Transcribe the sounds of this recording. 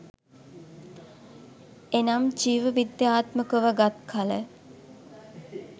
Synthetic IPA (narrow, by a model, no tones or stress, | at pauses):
enamt͡ʃiːʋəʋid̪jaːt̪məkəʋəɡat̪̚kʰalə